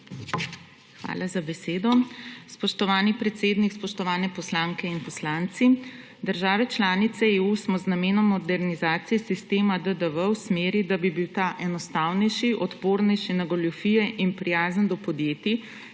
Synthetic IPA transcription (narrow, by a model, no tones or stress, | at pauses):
xʋa̰ːlazabɛseːd̪ɔspɔʃt̪ɔʋaːnipɾɛt̪seːd̪nikspɔʃt̪ɔʋaːnɛpɔslaːŋkɛinpɔslaːnt̪si | d̪əɾʒaːʋɛt͡ʃlaːnit̪sɛeːusmɔznameːnɔmːɔd̪ɛɾnizaːt̪sijɛsist̪eːmad̪əd̪əʋəwsmeːɾid̪abibiwt̪aːʔɛnɔst̪aːwnɛjʃiʔɔt̪poːɾnɛjʃinaɡɔlɔfijɛʔinpɾijaːzənd̪ɔpɔd̪jeːt̪i